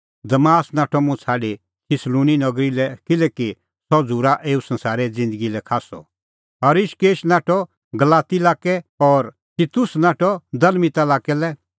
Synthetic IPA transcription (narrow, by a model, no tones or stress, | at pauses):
d̪ɐmaːsnaːʈʰɔmʊ̃t͡sʰaːɖi | tʰɪslũːninɐɡɾilɛkɪlɛki | sɔd͡zuːɾaʔeːusɐ̃nsaːɾɛd͡zɪ̃nd̪əɡilɛkʰaːsɔ̰ | ɐɾɪʃkeːʃnaːʈʰɔ | ɡɐlaːt̪ilaːkɛɔːɾ | t̪it̪ʊsnaːʈʰɔd̪ɐlmit̪alaːkɛlɛ